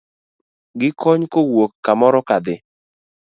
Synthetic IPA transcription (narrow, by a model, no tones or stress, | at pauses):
ɡɪkʰɔɲkowokːamɔɾɔkad̪ɪ